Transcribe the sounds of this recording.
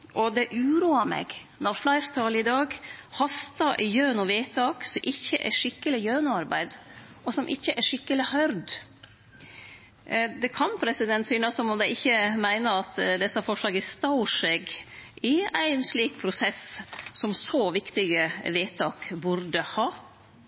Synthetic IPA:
ʔɔd̪ɛʔʉːɾuːɑmɛ̰ɡnɔɾflæɪɾt̪ʰɑːlɪd̪ɑːɡhɑst̪ɑʔjøːnʊʋeːt̪ʰɑːksɔmʔɪçːəʔæ̰ʂɪkːəlɪjøːnʊɑɾbæ̰ɪd̪ | ɔsɔmʔɪçːəʔæʂɪkːəlɪhœɾd̪ | d̪ɛkʰɑnpʰɾɛsɪd̪ɛnt̪syːnəsɔmɔmd̪æɪɪçːəmæɪnəɾɑt̪d̪ɛsːɑfɔʂɭɑːɡæst̪ɑʊʂɛɡɪæɪnsliːk̚pʰɾʊsɛssɔmsɔʋɪkt̪ɪɡəʋeːt̪ʰɑːkbʊɾd̪əhɑː

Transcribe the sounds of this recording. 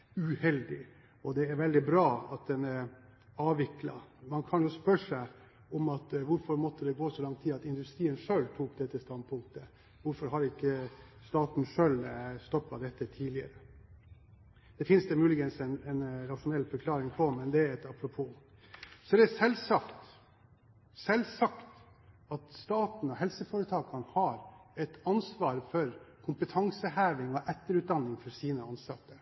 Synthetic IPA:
ʉhɛld̪ɪ | ɔd̪ɛæɾʋɛld̪ɪbɾɑːɑt̪̚d̪ɛnɛɾɑːʋɪklɑ̰mɑnkʰɑnjʊspœʂæɪ | ɔmɑt̪ʋʊɾfɔɾmɔt̪ʰːəd̪ɛɡoːsɔlɑŋt̪ʰiːɑt̪ɪnd̪ʉst̪ɾiːənʂøːlt̪ʰuːk̚d̪ɛt̪ːəst̪ɑnd̪̚pʰʊŋk̚t̪ə | ʋʊɾfɔɾɦɑɾɪkːəst̪ɑːt̪n̩ʂøːlst̪ɔpːɑd̪ɛt̪ːət̪ʰiːlɪə̰ɾə | d̪̥ɛfɪnsd̪ɛmʉːlɪɡənsɛnɛnɾɑʃʊnɛlːfɔɾkʰlɑːɾɪŋpʰɔmɛnd̪ɛæɾɛt̪ɑpɾʊpʰuː | sɔd̪ɛæsɛlsɑkt̪ | sɛlsɑkt̪ | ɑt̪st̪ɑːt̪n̩ɔɦɛlsəfɔːɾət̪ʰɑːkɑnəhɑːɾɛt̪ɑnsʋɑːɾfɔɾkʰʊmpət̪ʰɑŋsəɦæːʋɪŋɔʔɛt̪ːəɾʉːt̪̚d̪ɑnːɪŋfɔɾsiːnəɑnsɑt̪ːəɾ

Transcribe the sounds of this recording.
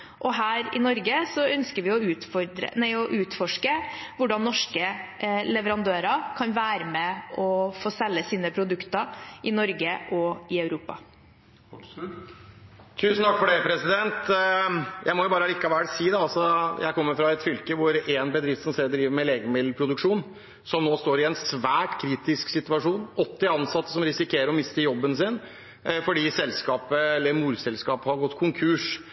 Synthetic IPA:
ʔɔɦæːɾɪ̰nɔɾɡəsɔœnskəɾʋɪɔʉːt̪fɔɾd̪ɾə̰næɪɔʔʉːt̪fɔʂkəʋʊɖɑnːɔʂkəlɛʋəɾɑnd̪øːɾɑkʰɑnʋæːɾəmɛʔɔfoːsɛlːəsiːnəpʰɾʊd̪ʉkt̪əʔɪnɔɾɡəʔɔɪɑʉɾuːpɑ̰ | t̪ʰʉːsn̩t̪ʰɑkːfɔɖɛpʰɾɛsɪd̪ɛnt̪ | jʔæɪmɔjʊbɑːɾəlɪkːɑʋæɽsiːd̪ɛɑlsɔjæ̰ɪkʰɔmːəɾfɾɑɛt̪fʏlkəʋʊɾenbəd̪ɾɪft̪sɔmseːɾd̪ɾiːʋəɾmɛleːɡəmɪd̪ːəpʰɾʊd̪ʉkʂuːn | sɔmnoːst̪oːɾɪɛnsʋæːʈkʰɾiːt̪ɪsksɪt̪ʉɑʂuːnɔt̪ːɪɑnsɑt̪ːə̥sɔmɾɪsɪkʰeːɾəɾɔmɪst̪əjɔbːənsɪn | fɔɖiːsɛlskɑːpəɛlːəɾmuːɾsɛlskɑːpəhɑɾɡɔt̪ːkʰʊŋkʰʉːʂ

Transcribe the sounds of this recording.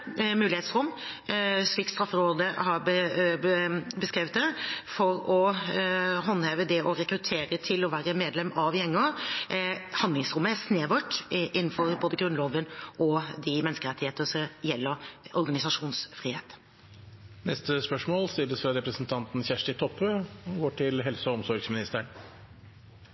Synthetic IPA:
mʉːlɪeːt̪sɾʊmː | sɭiːk̚t̪st̪ɾɑfːəɾoːd̪əhɑɾbə | bəskɾeːʋət̪̚d̪ɛfɔɾɔ | ɦɑnːhɛːʋəd̪ɛʔɔɾɛkɾʉt̪ʰeːɾət̪ʰɪlɔʋæːɾəmeːd̪lɛmːɑʋjɛŋːə | hɑnd̪lɪŋsɾʊmːəæɾsneːʋəʈːʔɪnːn̩fɔɾboːd̪əɡɾʉnloːʋənʔɔd̪ɪmɛnəskəɾɛt̪ːɪheːt̪əʂɔjɛlːəɾɔɾɡɑnɪsɑʂuːnsfɾiːheːt̪ | nɛst̪əspœʂmoːlst̪ɪlːəsfɾɑɾɛpɾəsn̩t̪ʰɑnt̪n̩çæʂʈɪt̪ʰɔpːøːɔɡoːʈʰɪlɦɛlsəɔɔmsɔɾɡsmɪnɪst̪əɳ

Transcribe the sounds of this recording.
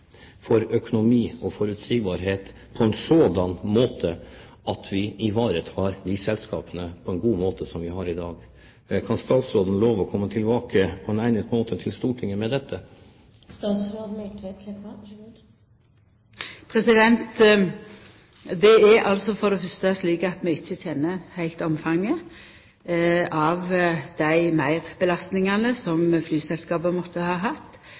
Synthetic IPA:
fɔɾœkʊnʊmiːɔfɔɾʉt̪siɡbɑɾɦeːt̪ | pʰɔɛnsɔd̪ɑnmoːt̪ʰə | ɑt̪ʰʋɪɪʋɑːɾət̪hɑɾd̪ɪsɛlskɑ̰ːpənəpʰɔɛnɡuːmoːt̪ʰəsɔmʋɪɦɑɾɪd̪ɑːɡ | kʰɑnst̪ɑːt̪sɾoːd̪n̩loːʋɔkʰɔmːət̪ʰɪlbɑːkʰəpʰɔɛnæɪnət̪moːt̪ʰət̪ʰɪlst̪uːʈʰɪŋːəmɛd̪ɛt̪ʰːə | st̪ɑːt̪sɾod̪n̩t̪ɛt̪ʰ | pʰʁɛsɪd̪ɛnt̪ | d̪ɛæɾʔɑ̰lsɔfɔd̪ɛfœst̪əɑsliːkəɑt̪mɛɪçːəçɛnːəhæɪlt̪ɔmfɑŋːə | ɑʋd̪̥æɪmæɪʁbəlɑst̪nɪŋɑnəsɔmflyːsɛlskɑːbəmɔt̪ːəhɑːɦɑt̪ː

